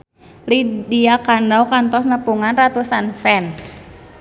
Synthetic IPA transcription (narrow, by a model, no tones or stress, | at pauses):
lidiakanɖawkant̪ɔsnəpuŋanrat̪usanfɛns